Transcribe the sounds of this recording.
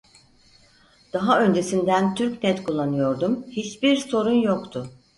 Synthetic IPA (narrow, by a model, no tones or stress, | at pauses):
d̪̥aɦaø̞nd͡ʒe̞sind̪ænt̪ʰyɾcnɛt̪kʰulˠːanɯjo̞ɾd̪umhit͡ʃbiɾso̞ɾunjo̞kt̪ʰʊ